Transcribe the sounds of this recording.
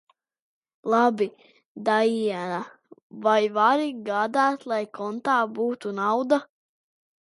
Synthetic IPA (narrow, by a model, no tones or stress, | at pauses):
lˠabi | d̪ajiɛna | vajvaɾiɡaːd̪æːt̪lˠajkɔnt̪aːbuːt̪unawd̪a